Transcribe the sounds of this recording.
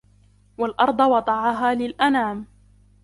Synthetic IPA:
walʔɑɾˤd̪ˤɑwɑd̪ˤɑʕɑɦaːlɪlʔanaːm

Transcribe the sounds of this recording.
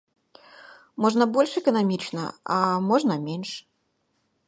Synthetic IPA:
mɔʐnɐbɔlʲʂɛkɐnamʲit͡ʃnɐ̰ɐmɔʐnɐmʲenʲʂ

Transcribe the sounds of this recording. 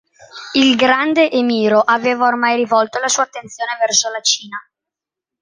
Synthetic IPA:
ilɡɾand̪eʔemiːɾoʔaveːvaormajɾivɔlt̪olasuːat̪ːent̪sjoːnevɛrsolat͡ʃiːna

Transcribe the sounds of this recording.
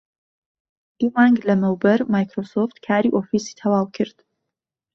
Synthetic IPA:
ʔiːmaːŋɡlɐmɛwbɐɾmaːjkɾoːsoft̪kʰaːɾiʔoːfiːsi̥t̪ʰɐwaːwkʰɨɾd̪̥

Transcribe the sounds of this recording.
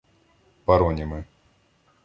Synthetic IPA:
paɾɔnʲimɨ

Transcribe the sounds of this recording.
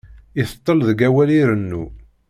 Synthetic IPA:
iθə̥t̪ˤːəlðəɡæwæliɾənːu

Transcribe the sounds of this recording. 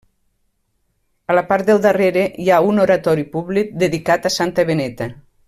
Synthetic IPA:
alapaɾt̪d̪elˠd̪areɾejaunoɾat̪ɔɾipuβlik̚d̪eðikat̪asant̪əβenɛt̪a

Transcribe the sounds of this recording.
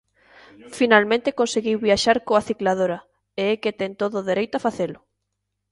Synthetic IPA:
finalmẽnt̪ɪkonseɣiwβiaʃaɾkoaθiklað̞oɾɐ | eɛket̪ɛŋt̪oðʊðeɾejt̪ʊafaθelʊ

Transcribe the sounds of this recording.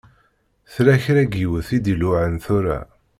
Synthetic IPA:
θɾæçɾæɡiwəθid̪ilʊʕənθʊɾa̰

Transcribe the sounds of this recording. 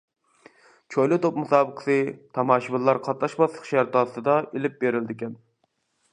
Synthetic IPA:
t͡ʃʰojlˠɨt̪op̚musɑːbəqʰə̥sɨt̪ʰɑmɑːʃibɨlˠːɑɾqʰɑt̪lˠɑʃbɑslˠəqʃæɾt̪ʰɑːsɨd̪ɑʔelɪp̚beɾɪld̪ɪkʲɛn

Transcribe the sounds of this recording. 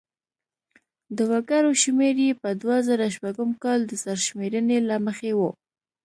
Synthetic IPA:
d̪əwakaɾoʃmeɾjepəd̪wazaɾaʃpaɡəmkɑld̪əsaɾʃmeɾənelaməxewo

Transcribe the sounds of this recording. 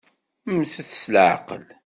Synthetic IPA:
mθθə̥slʕa̰qə̰l

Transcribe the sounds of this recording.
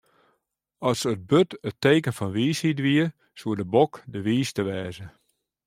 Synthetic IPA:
ɔsət̚bøtəteːkənfɔnʋiːshidʋiə | suədəbɔkdəʋiːstəʋɛːzə

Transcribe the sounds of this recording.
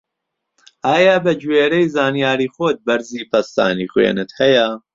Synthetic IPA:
ʔaːjabɐd͡ʒweːɾejzaːnijaːɾiːxoːt̪̚bɐɾziːpʰɐst̪a̰ːniːxwḛːnɨt̪hɐjɐ

